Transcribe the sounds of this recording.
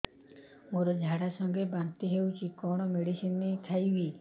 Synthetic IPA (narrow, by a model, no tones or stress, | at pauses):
moɾɔd͡ʒʱaɽasɔŋɡebant̪iɦewt͡ʃʰikɔɽ̃ɔmeɽisinːet̪ʰajbi